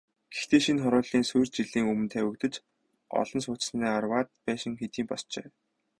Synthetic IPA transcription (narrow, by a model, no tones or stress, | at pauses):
ɡ̥ext̪eːʃinχɔɾʊːɮiːnsujrt͡ɕiɮiːŋɵmɘ̆nt̪ʰæːwɵ̆kt̪ɘ̆t͡ɕ | ɔ̰ɮ̥ɞ̆ns̬ʊːt͡ɕ̆snæːarwaːt̪̚pæːʃɪ̆ŋxet̪iːmpɔst͡ɕḛː